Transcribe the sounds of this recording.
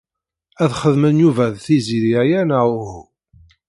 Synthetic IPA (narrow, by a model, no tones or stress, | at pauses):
æðχəðmənjuvæðθiziðiæjænauhu